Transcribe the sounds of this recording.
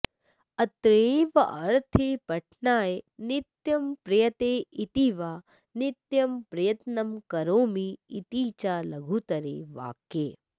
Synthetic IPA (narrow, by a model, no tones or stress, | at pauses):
ɐt̪ɾẽːʋɐʔɐɾt̪ʰeːpɐʈʰnaːjenɪt̪jɐmpɾɐjɐt̪eːit̪iʋaː | nɪt̪jɐmpɾɐjɐt̪nɐmkɐɾoːmiːt̪iːt͡ʃaːlɐɡʱuːt̪ɐɾḛːʋa̰ːkːeː